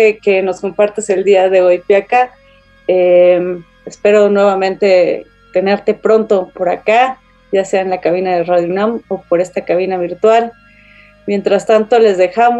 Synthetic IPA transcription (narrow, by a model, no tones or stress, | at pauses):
eke̞no̞sko̞mpaɾt̪ese̞ld̪iaðe̞ojpjaka | em | espe̞ɾo̞nwe̞βamẽ̞nt̪e̞ | t̪e̞ne̞ɾt̪e̞pɾo̞nt̪o̞po̞ɾaka | ʝase̞aenlakaβ̞inaðeraðjunamo̞po̞ɾe̞st̪akaβ̞inaβ̞iɾt̪wal | mje̞nt̪ɾast̪ant̪o̞le̞zðe̞xam